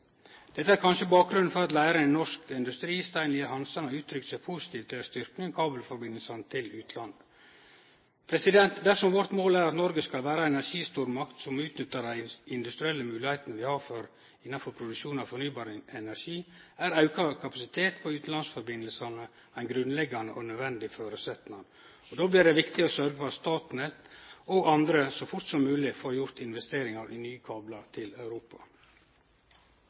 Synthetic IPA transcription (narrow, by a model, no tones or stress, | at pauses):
d̪̥ɛt̪ːəæɾkʰɑnʂəbɑːk̚ɡɾʉnn̩fɔɾɑt̪læɪɾəæɪnnɔʂkɪnd̪ʉst̪ɾiːst̪æɪnɪəhɑnsɑnəʉːt̪ʰɾʏk̪sæpʰuːsɪ̥t̪ʰiːʋt̪ʰːɪlæst̪ʏɾknɪŋkʰɑːbəlfɔɾbɪnəlsɑnət̪ʰɪlʉːt̪lɑn | pʰɾɛsɪd̪ɛnt̪d̪æɾsɔmʋɔɾt̪moːlæːɾɑt̪nɔɾɡəskɑlʋæːɾəɛnæɾʂiːst̪uːɾmɑkt̪sɔmʉːt̪nʏt̪ːəɾd̪æɪɪnd̪ʉst̪ɾɪɛlːəmʉːlɪheːt̪ənəʋɪhɑɾfɔɾ | ɪnːɑnfɔɾpʰɾʊd̪ʉkʃuːnɑfɔɾɳyːbɑːɾəɛnæɾʂiːæɾɑʉkʰɑkʰɑpɑsɪt̪ʰeːt̪pʰɔʉːt̪̩ɑnsfɔɾbɪnːəlsɑnə | æɪnɡɾʉnlɛɡɑnə̰ʔɔnœʋɛnd̪ɪføːɾəsɛt̪nɑn | ɔd̪oːbliːɖ̪ɛʋɪkt̪ɪɔsœɾɡəfɔɑt̪st̪ɑːt̪nət̪ɔɡɑnd̪ɾəsɔfʊɾt̪sɔmːʉːlɪfɔjʊɾt̪ɪnʋɛst̪eːɾɪŋɑɾʔḭːnyːkʰɑːblɑt̪ʰɪlɑʉɾuːpɑ̥̰